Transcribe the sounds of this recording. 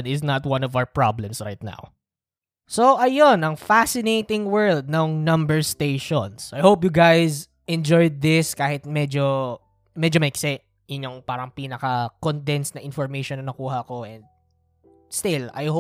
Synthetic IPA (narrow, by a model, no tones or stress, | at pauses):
nɪznɐt̪wɐ̃nɔvawəpɹa̰blɛ̃msɹajt̪̚na̰w | soʔɐjonɐŋfasɪnejt̪ɪŋwɛ˞ld̪̚nɐŋnɐ̃mbɛɹst̪ejʃõnsʔajhowp̬jʊɡajz | ʔɛ̃nd͡ʒɔjd̪̚ːɪskaːhɪt̪̚mɛd͡ʒo | mɛd͡ʒomɛjksɛ | jʊɲoŋpaːɾɐŋpiːnɐkɐkond̪ɛnsnɐʔɪ̃nfɔɹmejʃɔnːɐnɐkuːɦɐkoʔɛ̃nd̪̚ | st̪ɪlɐ̰jho